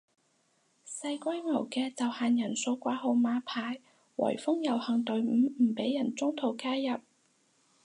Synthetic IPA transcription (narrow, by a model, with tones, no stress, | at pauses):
sɐ˧jkʷɐ˥jmɐ˨˩wkɛː˧t͡sɐ˨whaː˨njɐ˨˩nso˧wkʷaː˨˥ɦo˧wmaː˨˥pʰaː˧j | wɐ̰˨˩jfʊ˥ŋjɐ˨˩whɐ˨˩ŋt̪ɵ˨ɥm̩ː˨˧˥m̩ː˨˩pe˨˥jːɐ˨˩nt͡sʊ˥ŋt̪ʰo˨˧wkaː˥jjɐ˨p̚